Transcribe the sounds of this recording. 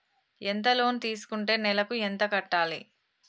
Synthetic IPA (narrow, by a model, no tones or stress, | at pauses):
ent̪ɐlo̞ːnt̪iːsu̥kuɳʈe̞ːnɛlɐkuent̪ɐkɐʈːaːlḭ